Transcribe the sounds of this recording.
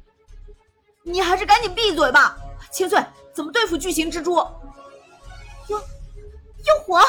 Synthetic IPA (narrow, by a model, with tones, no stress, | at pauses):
ni˨˩xa˧˥ɪʂɻ̩˥˩ka˧˥ni˨˩npi˥˩t͡swe˨˩ɪbɐ˧t͡ɕʰi˥ŋs̬wa˥˩n | t͡sə˨˩nmə˦t̪we˥˧ɪfu˥˩t͡ɕy˥˩ɕi˧˥ŋʈ͡ʂɻ̩˥ʈ͡ʂwɔ˥˩ | jo˥˧˩ʊ | jo˥˩ʊxwɔ˧˥